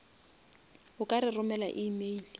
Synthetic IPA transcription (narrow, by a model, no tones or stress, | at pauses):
ɦʊkʼaɾɪrʊmɛla̰ʔimeli